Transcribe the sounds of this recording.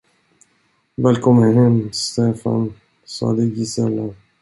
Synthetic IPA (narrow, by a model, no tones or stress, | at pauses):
vɛːlkʰɔmːənɦɛmst̪efa̰n | sɑ̰ːd̪əɡisɛlːa